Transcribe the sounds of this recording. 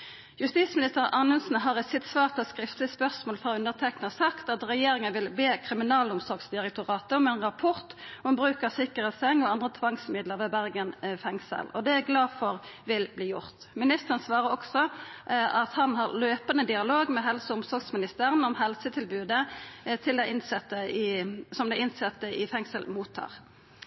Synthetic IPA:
jʉst̪iːsmɪnɪst̪əʁɑʁnʉnsn̩ɦɑʁɛt̪sɪt̪sʋɑːʁt̪ʰɔskʁɪft̪lɪtspœʁsmoːlfʁɑʉnəʁt̪ʰɛknəəsɑkt̪ɑt̪ʁɛjeːɾɪŋənʋɪlbeːkʰʁɪmɪnɑːlʊmsɔʁɡsd̪ɪʁɛk̚t̪ʊʁɑːt̪əɔmɛnʁɑpʰɔʁt̪ɔmbʁʉːkəʁsɪkːəʁətsɛŋːɔɑnd̪ʁət̪ʰʋɑŋsmɪd̪ləʁʋɛːbæʁɡənfɛŋsə̰lɔd̪ɛæɡlɑːfɔʁʋɪlbliːjʊʁt̪ | mɪnɪst̪əʁənsʋɑːʁəɔksɔ | ɑt̪hɑnɦɑʁløːpənəd̪ɪɑloːɡmɛɦɛlsəʊmsɔʁɡsmɪnɪst̪əːʁənɔmɦɛlsət̪ʰɪlbʉːd̪ət̪ʰɪld̪æɪnsɛt̪ːə | sɔmd̪ɛɪnsɛt̪ːəʔɪfɛŋsəlmuːt̪ʰːɑ̰ːʁ

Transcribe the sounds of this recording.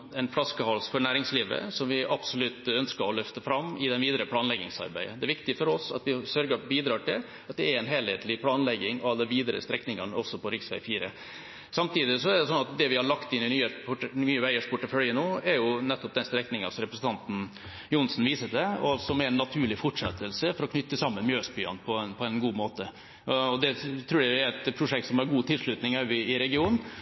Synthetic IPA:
ɛnflɑskəhɔlsfɔɾɳæːɾɪŋsliːʋə̰sɔmʋɪʔɑbsɔlʉt̪œnskəɾɔlœft̪əfɾɑmːɪd̪ɛnʋiːd̪əɾəpʰlɑːnlɛɡɪ̰ŋsɑ̰ɾbæ̰ɪə̰d̪ɛʋɪkt̪ɪfɔɾɔsɑ̰t̪ʋɪsœɾɡəbiːd̪ɾɑːʈɪl | ɑt̪̚d̪ɛæɾɛnɦeːlheːt̪lɪpʰlɑːnlɛɡːɪŋɔɑɑd̪əʋiːd̪əɾə̰st̪ɾɛknɪŋɑnəɔsːɔpɔɾɪksʋæ̰ɪfiːɾə | sɑmt̪iːd̪ɪsɔɛɖɛsɔnːɑt̪̚d̪ɛʋɪhɑɭɑkt̪ɪnɪnyːənyːəʋæɪəʂpʰʊʈːəfœljənoːɛɾjʊnɛt̪ːɔp̚d̪ɛnst̪ɾɛknɪŋɑsɔɾɛpɾəsn̩t̪ʰɑnt̪n̩ | jʊnsn̩ʋiːsəd̪ɛɔ̰ɑlsɔmɛɾɛnːɑt̪ʰʉːɾɭɪfɔʈʂɛ̰t̪ːəlsəfɔɾɔkʰnʏt̪ːəsɑmːənmjøːspyːɑ̰npʰɔnpʰɔɛnɡuːmoːt̪ə | ɔd̪ɛt̪ʰɾuːɾjæɪjæɾɛt̪pʰɾʊʂɛkt̪sɔmɑɾɡuːt̪ʰɪlʂɭʉt̪nɪŋɑʉɪɪɾɛɡɪuːn̩

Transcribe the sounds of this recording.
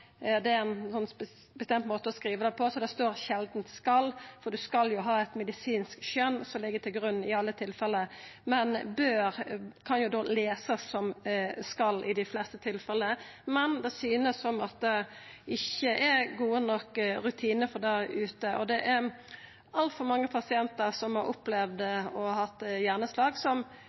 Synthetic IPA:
d̪ɛɾɛnsɔn | bəst̪ɛmt̪moːt̪əɔskɾiːʋəd̪ɛpʰɔsɔd̪ɛst̪oːɾɕɛld̪n̩t̪skɑlːfɔɾɖ̪ʉskɑljʊɦɑːɛt̪mɛd̪ɪsiːnskʃœnsɔmlɪɡːət̪ʰɪlɡɾʉnːɪɑlːət̪ʰɪlfɛlːəmɛnbøːɾkʰɑnjʊd̪oːleːsəsːɔmskɑlːʔɪd̪ɪflɛst̪ət̪ʰɪlfɛləmɛnd̪ɛsyːnəsːɔmɑt̪̚d̪ɛ | ɪçːəʔɛɡuːənɔkːɾʉt̪ʰiːnəfɔʁd̪æʉːt̪əʔɔd̪ɛʔæɾ | ɑlt̪fɔɾmɑŋːəpʰɑsɪɛnt̪əsɔmhɑɾʊplɛʋd̪ɔhhɑt̪ːjæːʁnəslɑːɡsɔm

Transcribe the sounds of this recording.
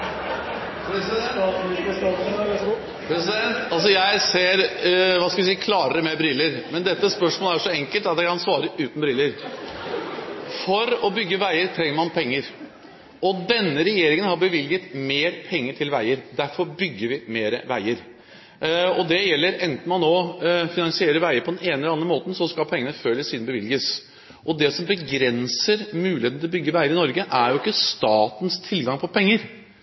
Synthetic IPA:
st̪ɪkəsɑ | pʰɾɛsɪd̪ɛnt̪ɑls̬ɔjæɪseːɾʋɑːskɑʋɪsiːəkʰlɑːɾəɾəmɛbɾɪlːəɾmɛnd̪ɛt̪ːəspœʂmoːləæʂɔɛŋkəlt̪ɑt̪jæɪkɑnsʋɑːɾəʔʉːt̪nbɾɪlːəɾ | fɔɾɔbʏɡːəʋæɪəɾt̪ʰɾɛŋːəɾmɑnpʰɛŋːəɾ | ɔd̪ɛnːəɾɛjeːɾɪŋənhɑɾbəʋɪljət̪meːɾpʰɛŋːəʈʰɪlʋæɪəɾd̪æɾfɔɾbʏɡːəɾʋɪmeːɾəʋæɪəɾ | ɔd̪ɛjɛlːəɾɛnt̪n̩mɑnːoːfɪnɑnsɪeːɾəɾʋæɪəɾpʰɔd̪ɛneːnəlɑnɾəmoːt̪n̩sɔskɑlpʰɛŋːənəføːləsiːd̪bəʋɪlɡəs | ʔɔd̪ɛsɔmbəɡɾɛnsəɾmʉːlɪet̪nɪɔbʏɡːəʋæɪəɾɪnɔɾɡəʔæɾjʊɪkːəst̪ɑːt̪n̩st̪ʰɪlːɡɑŋpʰɔpʰɛŋːəɾ

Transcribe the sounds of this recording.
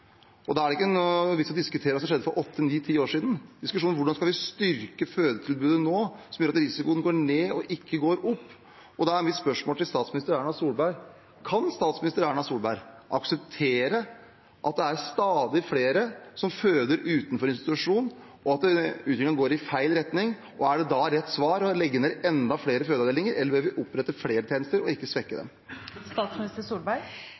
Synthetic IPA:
ɔd̪ɛæɖɛɪkːənʋɪsɔd̪ɪskʉt̪ʰeːɾəʋɑsɔmʂɛd̪ːəfɔɾʔɔt̪ʰːəniːt̪ʰiːoːʂiːd̪n̩d̪ɪskʉʂuːʋʊɖɑnskɑlʋɪst̪ʏɾkəføːd̪ət̪ʰɪlbʉːd̪ənoːsɔmjøːɾɑt̪ɾɪsɪkʊːənɡoːɳeːɔʔɪkːəɡoːɾʊpː | ɔd̪ɑæɾɛnʋɪsspœʂmoːlt̪ɪlst̪ɑːt̪smɪnɪst̪əɾæːɳɑsuːlbæɪɾ | kʰɑnst̪ɑːt̪smɪnɪst̪əɾæːɳɑsuːlbæɪɾʔɑksɛp̚t̪ʰeːɾə | ʔɑt̪̚d̪ɛæɾst̪ɑːd̪ɪfleːɾəsɔmføːd̪əɾʉːt̪n̩fɔɾɪnst̪ɪt̪ʉʂuːn | ʔɔɑt̪̚ɛʉːt̪ɪk̪lɪŋəɡoːɾɪfæɪlɾɛt̪nɪŋ | ʔɔæɖɛd̪ɑɾɛt̪ːsʋɑːɾɔlɛɡːəneʔɛnd̪ɑfleːɾəføːd̪ɑd̪eːlɪŋəɾʔɛlːəɾbɛlʋɪʔʊpːɾɛt̪ːəfleːɾət̪ʰeːnəst̪əɾɔɪkːəsʋɛkːəd̪ɛ̰m | st̪ɑːt̪smnɪst̪əsuːlbæɪ

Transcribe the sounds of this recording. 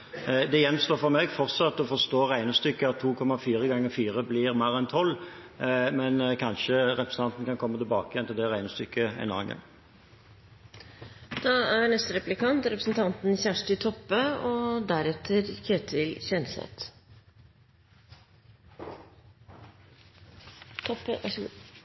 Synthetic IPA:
d̪ɛjɛnst̪oːfɔʁmɛɡfɔʁt̪sɑt̪ːɔfɔʁst̪oːʁæɪnəst̪ʏkːəɑt̪ʰːuːkʰɔmɑfiːʁəɡɑŋːəfiːʁəblɪʁmæʁɛnt̪ʰɔlː | mɛnkʰɑnʃəɾɛpɾəsn̩ɑnt̪n̩kɑnkʰɔmːət̪ɪlbɑːkəjɛnt̪ʰɪld̪ɛʁæɪnəst̪ʏkːəɛ̰nɔʁɑ̰ŋə̰ | d̪̥ɑːænɛst̪əɾɛplɪkɑnt̪ɾɛpɾəsn̩t̪ʰɑnt̪n̩ɪçæʂʈɪt̪ʰɔpːəɔd̪æɾɛt̪ʰːəɾkeːt̪ʰɪlçɛnsɛ̰t̪ | t̪ʰ

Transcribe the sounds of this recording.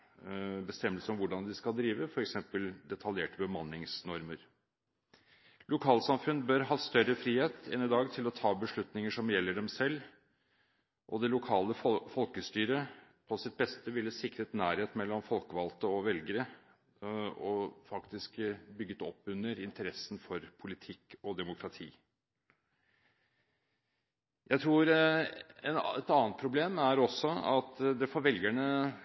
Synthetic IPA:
bəst̪ɛmːəlsəɔmʋʊɖɑnd̪ɪskɑd̪ɾiːʋəfɔɾɛksɛmpəld̪ɛt̪ʰɑljeːʈəbəmɑnːɪŋsnɔɾməɾ | lʊkʰɑːlsɑmfʉnbœɾɦɑːst̪œɾəfɾiːheːt̪ɛnɪd̪ɑːɡt̪ʰɪlɔt̪ʰɑːbəʂɭʉt̪nɪŋəʂɔmjɛlːəɖɛmsɛlː | ʔɔd̪ɛlʊkʰɑːləfɔlkəst̪yːɾəpʰɔsɪt̪̚bɛst̪əʋɪlːəsɪkɾət̪næːɾheːt̪mɛlːɔmfɔlkəʋɑlt̪əɔʋɛlɡəɾə | ɔfɑkt̪ɪskbʏɡːət̪ɔpːʉnːəɾɪnt̪əɾɛsn̩fɔɾpʰʊlɪt̪ʰɪkːɔd̪ɛmʊkʰɾɑt̪ʰḭː | jʔæɪt̪ʰɾuːɾ | ɛnɛt̪ɑːnt̪̚pʰɾʊbleːmæɾɔsɔɑt̪d̪ɛfɔɾʋɛlɡæɳə

